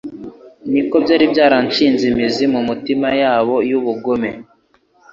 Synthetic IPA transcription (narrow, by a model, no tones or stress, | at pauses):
niko̞bjaːɾibjaːɾant͡ʃiːnzimizimumitimajaːβo̞juβuɡome̞